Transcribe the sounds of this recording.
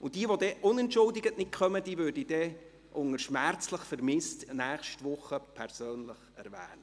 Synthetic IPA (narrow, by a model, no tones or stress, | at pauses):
ʊnd̥iəʋod̥̪ɛʔʊnɛntʃʊldɪɡətnɪt̚kʰχœməd̥iːʋøːɾdid̥ɛ | ʔʊŋəɾʃmært͡sləχfəɾmɪstnæːχʃtʋʊχːəpʰɛɾsøːnləχɛ̰ɾʋæ̰ːnə